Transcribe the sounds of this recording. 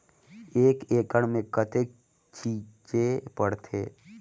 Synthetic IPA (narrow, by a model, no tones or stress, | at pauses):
eːkeːkəɽmẽkət̪ʰek | t͡ʃiːt͡ʃepəɽt̪ʰḛː